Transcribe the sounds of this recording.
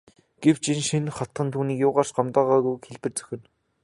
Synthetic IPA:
ɡ̥ew̥t͡ɕinʃinχat̪χə̆nt̪ʰuːniːkjʊːʁaːrʃɢamt̪aːʁaːɣujxeɮpɘ̆rt͡sœ̥xʲɪ̆n

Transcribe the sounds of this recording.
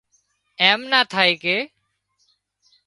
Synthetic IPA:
eːmnaːt̪ʰaːeːkeː

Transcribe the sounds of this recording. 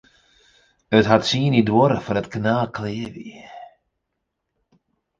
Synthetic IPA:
ətɦatsiːənidwɔɾəfɔɾətknaːlkleːəvḭ

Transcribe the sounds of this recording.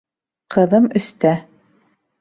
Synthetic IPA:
qɤ̆ðɤmɵ̆st̪æ

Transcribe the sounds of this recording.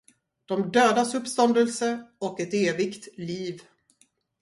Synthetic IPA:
d̪̥ɔmd̪øːd̪asɵpːst̪ɔnd̪əlsəɔkɛt̪eːvɪkt̪liːv

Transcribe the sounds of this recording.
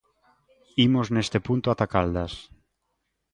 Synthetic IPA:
imoznest̪epunt̪oat̪akald̪as

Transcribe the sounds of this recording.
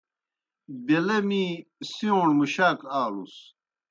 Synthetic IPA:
belɐmisiõːɳmuɕaːkaːlṵs

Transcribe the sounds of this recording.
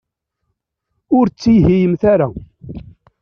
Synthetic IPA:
ʊɾt͡sːiɦijəmθaɾa

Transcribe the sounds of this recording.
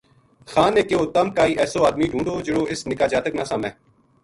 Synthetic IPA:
xaːneːkeoːt̪əmkaːiːʔɛːsoːaːd̪miːɖʱũːɳɖoːd͡ʒəɽoːɪsnɪkaːd͡ʒaːt̪əknãːsaːmɛ̃ː

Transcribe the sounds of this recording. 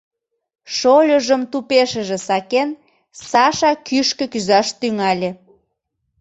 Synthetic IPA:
ʃolʲəʒəmt̪upeʃə̆ʒĕsɑken | sɑʃɑkyʃkə̆kyzɑʃt̪yŋɑlʲe

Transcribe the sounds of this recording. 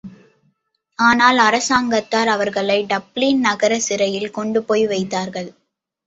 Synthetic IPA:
aːnaːlɐɾɐsaːŋɡɐt̪ːaːɾɐʋɐɾɣɐɭɐɪɖɐblinnɐɣɐɾɐsɪɾɐjɪlkɔɳɖɯpoːjʋɐɪt̪ːaːɾɣɐɭ

